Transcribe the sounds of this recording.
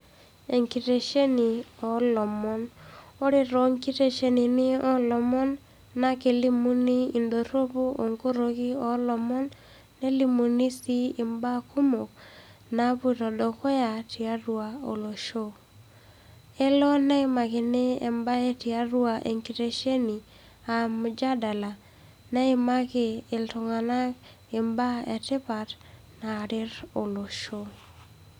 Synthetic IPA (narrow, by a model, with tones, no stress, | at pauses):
e˨ŋki˨te˨ʃe˦ni˨ɔ˨lɔ˨mɔ˦no˦ɾe˨ɾɔ˨˦ŋki˦te˦ʃe˦ni˨nɪ˦ɔ˦lɔ˨mɔ˦nː | a˦ke˨li˦mu˦ni˦i˨ndo˨ɾo˦bu˦o˨ŋko˦ɾo˨ki˦ɔ˨˦lɔ˨mɔ˦nː | e˦li˦mu˨ni˦si˦ɪ˨mba˦ku˦mo˨k̚ | na˨˦pu˦˨tɔ˨dɔ˨kɔ˦ja˨ti˨a˦ɾu˨a˨o̰˨lo˨ʃo˦ | ɛ˦lɔ˦nɛ˦ɪ˦ma˨kɪ˨ne˦ḛ˨mba˦e˦ti˨a˦ɾwa˨ʔḛ˨ŋki˨te˦ʃe˦ni˨ | a˨md͡ʒa˦da˨la˨ | nɛ˦ɪ˦ma˦kɪ˨ɪ˨ltɔ˨ŋa˨na˦k | ɪ˨mba˦ḛ˨tɪ˦pa˨t | na˨ɾɪ˦ɾo˨lo˨ʃo˦